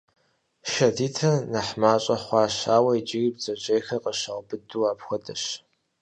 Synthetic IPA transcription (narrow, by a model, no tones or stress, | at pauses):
ʃɐdiːtʰɐnɐħmaːɕʼɐχʷɑːɕaːwɐid͡ʒɪɣibzɐʑejxɐqəɕɐʁbɨduːaːpxʷɔdɐɕ